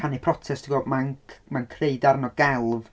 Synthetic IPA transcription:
anipʰrɔtʰɛsd̥ʰiɡɔmanmankʰreɨdarnɔɡɛlˠv

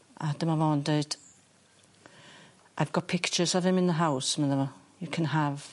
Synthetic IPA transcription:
ʔad̥əmavɔndeɨd̥ | ʔaɪvɡ̥ɔd̚pʰɪkt͡ʃəsɔvɪmɪ̃nðəɦawsmə̃nðəvɔ | jəkʰə̃nɦəv

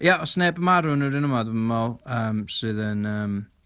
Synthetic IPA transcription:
jaɔsnebəmaɾʊnəɾɪnəmɔdəməmɔlˠəːmsɨðənəːm

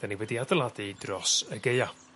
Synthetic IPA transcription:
d̥aniwɛdiadəlˠadidrɔsəɡeɨa

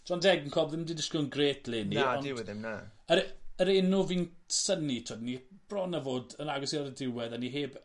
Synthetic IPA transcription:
d͡ʒ̥ɔndɛɡnkʰɔbðɪmdidɪskɪlˠənɡreːtʰleːniaɔnɪwðɪmnaəɾəɾenʊvinsənitʰɔdnib̥rɔnavoːdənaɡɔsiɔɾədɪwɛðaniɦeːb

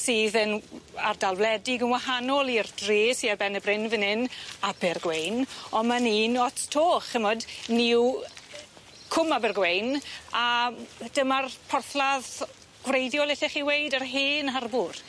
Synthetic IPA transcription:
siːðənardalˠvlɛdɪɡənwahanɔlˠirdreːsiarbɛnəbrɪnvənɪnabɪrɡwejnɔnmaniːnɔtʰtʰoːχəmɔdniw | kʰʊmabɪrɡwejnad̥əmarpʰɔrθlað | ɡ̥wrejdjɔlˠɪθɪχiwejdərɦeːnarbʊr

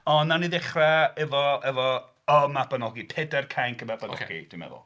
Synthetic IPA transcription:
ɔnːaniðɪχrɛɛvɔɛvɔ | ɔmabanɔɡipʰɛdɛrkʰajnkʰəmɛbanɔɡḭd̥wimɛ̰ðʊ̰lˠ

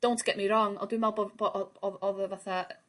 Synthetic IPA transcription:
d̥ow̃ntʰɡ̥ɛʔmiɾɔŋɔ̰ndwɪmɛlˠbɔbɔʔɔɔðəvaθa

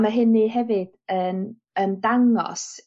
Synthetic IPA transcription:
maɦɨnːiɦɛvɨd̥ən | əndaŋɔ̰s

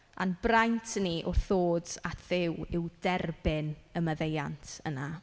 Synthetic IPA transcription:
a̰nbrajntʰniʔʊrθoːdatʰðɪwɪwdɛrbɪnəməðejantʰəna

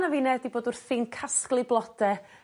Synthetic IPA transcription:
navɪnɛdiboːdʊrθɪːnkʰasklˠɨblˠɔd̥ɛ

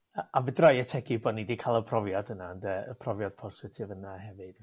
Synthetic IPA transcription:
əavədrajətʰɛɡɨboːdnidikʰalˠəpʰrɔvjɔdənandəə̰pʰrɔvjɔd̥̚pʰɔsɪtʰɪvənahɛvɨd̥

